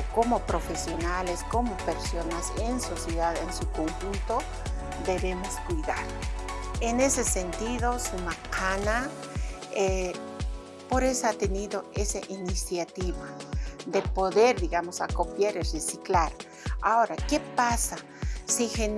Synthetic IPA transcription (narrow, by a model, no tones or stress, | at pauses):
ko̞mopɾo̞fe̞sjo̞nalesko̞mo̞peɾsonasenso̞sjeðaðensuko̞ŋxunt̪o | d̪e̞βemo̞skujðaɾ | ene̞se̞sent̪iðosumakana | e | po̞ɾe̞soat̪eniðoesaʔinisjat̪iβad̪e̞po̞ðeɾðiɣamosakopjaɾiresiklaɾ | aoɾakepasa | sixen